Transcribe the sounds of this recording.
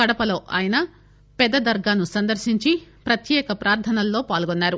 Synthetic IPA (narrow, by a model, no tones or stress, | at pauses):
ɐɽɐpɐlo̞ːʔaːjɐnɐ | pɛd̪ːɐd̪ɐɾɡaːnusɐnd̪ɐɾʃiɲt͡ʃipɾɐt̪jɛːkɐpɾaːɾt̪ʰɐnɐlːo̞ːpaːlɡonːaːɾu